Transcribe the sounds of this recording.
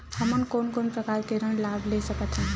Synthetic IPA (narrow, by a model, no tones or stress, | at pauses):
həmənkoːnkoːnpɾəkaːɾkeɾəɳlaːbʱlesəkət̪ʰɦɛ̃ː